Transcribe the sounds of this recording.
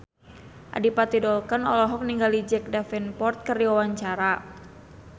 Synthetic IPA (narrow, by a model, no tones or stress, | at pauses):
ʔa̰dipat̪idɔlkanɔlɔɦɔk̚niŋɡalid͡ʒɛk̚dafɛnpɔrt̪̚kərdiwawaɲt͡ʃaɾa